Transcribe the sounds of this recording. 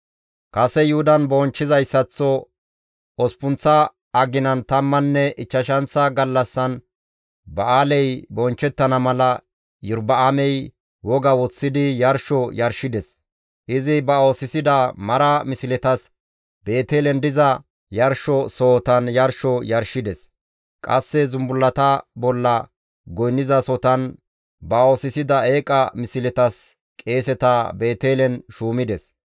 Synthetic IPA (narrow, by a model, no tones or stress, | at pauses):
kɐsɛjʊhʊd̪ɐnbɔnt͡ʃːɪzɐjsːɐt͡sːɔ | ɔspʊnt͡sːɐ | ʔɐɡɪnɐnt̪ɐmːɐnːɛʔɪt͡ʃːɐʃɐnsɐɡɐlːɐsːɐn | bɐʔaːlɛjbɔnt͡ʃːɛt̪ːɐnɐmɐlɐ | jʊɾbɐamɛj | wɔɡɐwɔt͡sːɪd̪ɪjɐɾʃɔjɐɾʃɪd̪ɛs | ʔɪzɪbɐoːsɪsɪd̪ɐmɐɾɐmɪsɪlɛt̪ɐs | be̞ːt̪eːlɛnd̪ɪzɐ | jɐɾʃɔso̞ːt̪ɐnjɐɾʃɔjɐɾʃɪd̪ɛs | kʼɐsːɛzʊmbʊlːɐt̪ɐbɔlːɐ | ɡɔjnːɪzɐsɔt̪ɐn | bɐo̞ːsɪsɪd̪ɐe̞ːkʼɐ̰mɪsɪlɛt̪ɐs | kʼe̞ːsɛt̪ɐbe̞ːt̪eːlɛnʃuːmɪd̪ɛs